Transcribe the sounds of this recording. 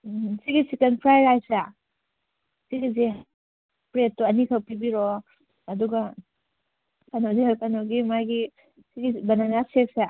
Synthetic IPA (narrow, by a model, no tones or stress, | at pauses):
siɡisikenpʰɾajɾajsa | siɡize | pɾetːɔɐnikʰɐwpibiɾɔ | ɐduɡa | kanɔzihawkanoɡimajɡi | siɡibɐnanaseksa